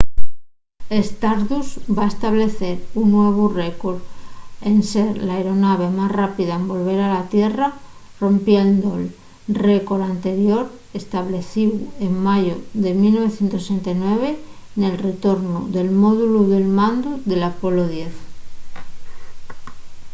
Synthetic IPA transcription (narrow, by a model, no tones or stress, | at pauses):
e̞st̪aɾðusbae̞st̪aβle̞θe̞ɾunːwe̞β̞urekoɾe̞nse̞ɾlaeɾo̞naβ̞e̞masrapiðaembo̞lβ̞e̞ɾalat̪je̞ra | ro̞mpjend̪ol | re̞ko̞ɾant̪e̞ɾjo̞ɾ | e̞st̪aβle̞θiwe̞ŋmaʝoðe̞milnːo̞βe̞θjent̪ossent̪ajnwe̞β̞e̞ | ne̞lre̞t̪o̞ɾnoðe̞lmo̞ðuluðe̞lmãnd̪uðe̞lapo̞loðje̞θ